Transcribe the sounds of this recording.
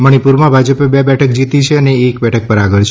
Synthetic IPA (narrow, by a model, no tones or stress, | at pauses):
məɽ̃ipuɾmãbʱad͡ʒəpebɛbɛʈʰək̚d͡ʒit̪it͡ʃʰeəneːkbɛʈʰək̚pəɾaɡəɭt͡ʃʰ